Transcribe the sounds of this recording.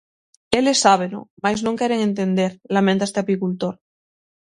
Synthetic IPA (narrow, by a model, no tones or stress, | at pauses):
elesːaβ̞eno̰majznõŋkeɾeŋẽnt̪end̪eɾlamẽnt̪ast̪eapikult̪oɾ